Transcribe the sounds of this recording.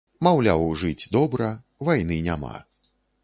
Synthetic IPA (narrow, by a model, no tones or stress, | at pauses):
mawlʲa̰wʐɨd͡zʲd̪ɔbɾɐ | vajnɨnʲama̰